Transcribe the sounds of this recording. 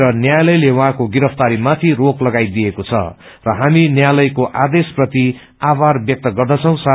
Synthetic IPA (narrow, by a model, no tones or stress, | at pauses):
ɾʌnjajlʌjlewʌɦãkoɡiɾʌp̚ʰt̪aɾimat̪ʰiroklʌɡajd̪ijekot͡sʰʌ̰ | rʌɦaminjajlʌjkoʔad̪esprʌt̪i | abarbjʌk̚t̪ʌɡʌrd̪ʌt͡sʰʌ̃w̃sa